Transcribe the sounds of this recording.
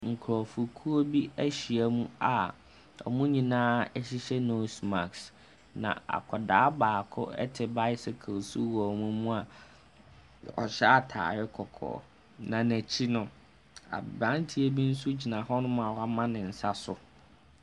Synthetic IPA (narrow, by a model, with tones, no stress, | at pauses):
ŋ̩˨kʰɾɔ˨fu˨kʰu˦o˦bi˦æ˦ɕi˨æ˨mũ˦a˨ | ɔ̰˨mʊ̃˦ɲĩ˨nãː˦ɛ˦ɕi˦ɕɛ˦no˨sma̰˨ks | nã̰˨a̰˨kʰɔ˨daː˨˦baː˨kʰʊ̰˦ɛ̰˦tʰɪ˨ba˦ɪ˦sɪ˨kʰa˨su˦wɔ˨mũ˦mũ˦a˨ | ɔ̰˨ɕɛ˦a˨tʰa̰ː˨jɛ˦kʰɔ˨kʰɔ̰ː˨ | nã˨næ˨t͡ɕʰi˦nʊ̃˦ | a̰˨bã˦ntʰi˦e˦bi˦n̩˦su˦d͡ʑi˨nã˨hɔ˦nʊ̃˦m̃˦a˨wa˦mã˦nɪ̃˨n̩˨sa˦sʊ˨